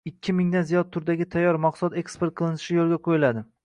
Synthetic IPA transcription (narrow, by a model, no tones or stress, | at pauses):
ɪkʲʰːɪmɪŋd̪anzijɒt̪̚t̪ʰːʊɾd̪aɡʲɪt̪ʰajːɒɾmɑqsad̪e̞kspe̞ɾt̪̚qʰɨlˠɪnɪʃɪjolˠɡʲaqʰojɪlad̪ɪ